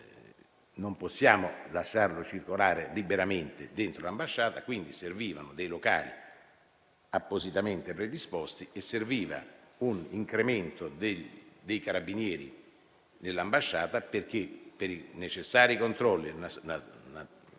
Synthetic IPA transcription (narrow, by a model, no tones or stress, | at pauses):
nomposːjaːmolaʃːarlot͡ʃirkolaːɾelibeɾament̪ed̪ent̪ɾolambaʃːaːt̪akwind̪iserviːvanod̪ejloka̰ːlḭ | apːozit̪ament̪epɾed̪ispɔst̪iesːerviːva̰uniŋkɾement̪od̪ed̪ejkaɾabinjɛːɾḭ | nelːambaʃːaːt̪aperk̟epːeɾinet͡ʃesːaːɾikont̪ɾɔlːinanana